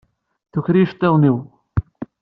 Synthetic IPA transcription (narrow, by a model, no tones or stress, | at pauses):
θuçɾiʃt̪ˤːeðˤniw